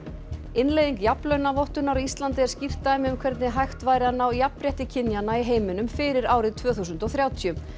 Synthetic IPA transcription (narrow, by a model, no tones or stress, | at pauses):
ɪnlejðiŋkjaplœɥnavɔwht̪ʏnaɾɔist̪lant̪ɪɛɾ̥scɪft̪aɛmðʏmkʰvɛɾt̪nɪɦajxt̪vaːjɾɪanːawjapɾjɛht̪ɪcʰɪnjanːaiɦeːjmɪnʏmfɪɾɪɾaːwɾɪðt̪ʰv̥œːθus̬ʏnt̪ɔθɾjaːwt̪ʰjʏm